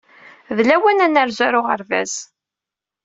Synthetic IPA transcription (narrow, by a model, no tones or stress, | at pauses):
ðlæwænænəɾzæɾʊʁə̰ɾvæ̰z̥